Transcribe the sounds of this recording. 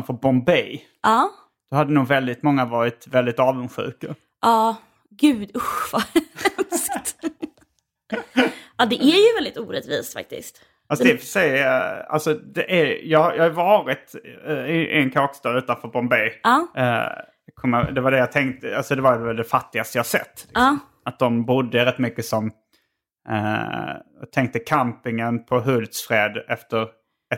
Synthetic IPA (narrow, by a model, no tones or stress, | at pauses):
nfœɾbɔmbɛj | ʔɑː | d̪̥ɔhad̪ːənuːɡvɛld̪ɪt̪mɔŋːavɑːɾɪt̪vɛld̪ɪt̪ɑːvənɧʉ̟̰ːka | ʔɑː | ɡʉ̟ːd̪ʊɧvɑɾnskt̪ | ɑd̪ɛʔæɾjɵvɛld̪ɪt̪uːɾɛt̪vḭːst̪fa̰k̚t̪ɪ̰st̪ | fasd̪ɛfəʂɛja̰lsɔd̪ɛʔæɾjɑːɡhajɑhajvɑːɾɪt̪ɪʔɪ̰nkʰɑːkst̪ɑːd̪ʉ̟ːt̪anfœːɾbɔmbɛj̰ː | kʰɔməd̪ɛvaɖɛjɑt̪ʰɛŋkt̪əalsɔd̪ɛvaɾvɛld̪ɛfat̪ːɪɡast̪əjɑːhasɛ̰t̪ːlɪsɔm | at̪̚d̪ɔmbʊd̪ːəɾɛt̪ːmʏkːəsɔm | t̪ʰɛŋk̚t̪əkʰampɪŋənpʰɔɦɵld̪sfɾeːd̪ɛft̪əɾ